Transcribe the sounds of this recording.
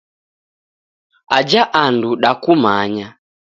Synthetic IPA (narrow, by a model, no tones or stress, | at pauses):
ad͡ʒaʔanduɗakumaɲa